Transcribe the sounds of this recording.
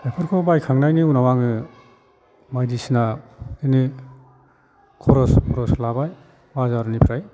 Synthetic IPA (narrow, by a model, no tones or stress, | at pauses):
epʰɯɾkʰɔbajkʰaŋnajniunawaŋɯ | majdisinaɯni | kʰɔɾɔspʰɔɾɔslabaj | wazaɾnipʰiɾaj